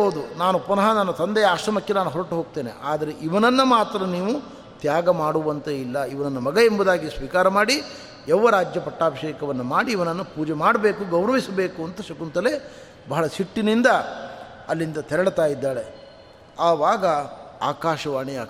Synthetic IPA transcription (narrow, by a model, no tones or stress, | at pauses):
oːd̪unaːnupunɐɦɐnanːɐt̪ɐnd̪ɛjɐaːʃɾɐmɐkːenaːnuɦɔɾɐʈuɦoːɡ̚t̪e̞ːnḛʔaːd̪ɐɾe̞ʔiʋɐnɐnːɐmaːt̪ɾɐniːʋu | t̪jaːɡɐmaːɽuʋɐnt̪ɐilːɐiʋɐnɐnːɐmɐɡɐembud̪aːɡisʋiːkaːɾɐmaːɽi | jɛʋːɐɾaːd͡ʒjɐpɐʈːaːbɐʃeːkɐʋɐnːɐmaːɽiːʋɐnɐnːɐpuːd͡ʒemaːɽɐbe̞ːkuɡɐwɾɐʋisɐbe̞ːkuɐnt̪ɐʃɐkunt̪ɐle | bɐɦɐɭɐsiʈːinind̪ɐ | ɐlːind̪ɐt̪ʰɛɾɐɽt̪aːjid̪ːaːɭe | aːʋaːɡɐa̰ːkaːʃɐʋaːɳiaː